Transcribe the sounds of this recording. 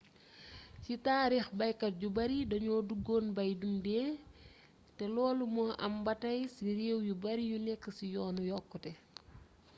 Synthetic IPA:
citaːɾixbɐjkɐt̚ɟubɐɾidɐɲɔːduɡoːnbɐjdumdɛː | tɛlɔːlumɔʔɐ̰mbɐtɐjsiɾeːwjubɐɾijunɛkːəsijɔːnujɔkːɔtɛ

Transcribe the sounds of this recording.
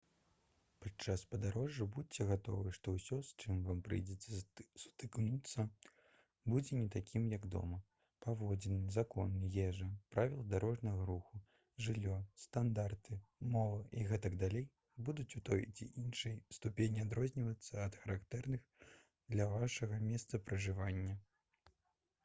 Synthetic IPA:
pat͡ʂaspɐd̪aɾɔʐːɨbut͡sʲɛɣat̪ɔ̰vɨʂt̪ɔwsʲɔst͡ʂɨmvampɾɨ̰jd͡zʲɛt͡sʲɛsut̪ɨknut̪sːɐ | bud͡zʲɛnʲɛt̪akʲimjɐɡd̪ɔ̰mɐ | pavɔd͡zʲɛnɨmzakɔnːɨjɛʐɐpɾʔavʲilˠd̪aɾɔʐnɐɣɐɾuxu | ʐɨlʲːɔst̪and̪art̪ɨmɔvɨʔiɣɛt̪ɐɡd̪alʲej | bud̪ut͡sʲut̪ɔjt͡sʲḭʔinʂɨjst̪upʲenʲiad̪ɾɔzʲnʲivɐt̪sːɐɐt̪xɐɾakt̪ɛrnɨx | d̪lʲɐvaʂɐɣɐmʲɛst̪sɐpɾɐʐɨvanʲːɐ

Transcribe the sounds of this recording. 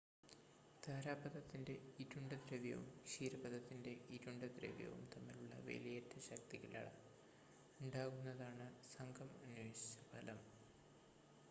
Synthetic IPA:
t̪aːɾaːbɐðɐt̪ːinde̞iɾuɳɖɐd̪ɾeʋjɐ̰ʋṵmɕiːɾɐbɐðɐt̪ːinde̞iɾuɳɖɐd̪ɾḛʋjɐ̰ʋṵmt̪ɐmːiluɭːɐ̰ʋḛlijɐtːɐɕɐk̚t̪iɣila̰ːɭɐ̰ | uɳɖaːɣunːɐðaːɳɨsɐŋɡɐmɐnuʋeːɕi̥t͡ɕːɐbʱɐlɐm

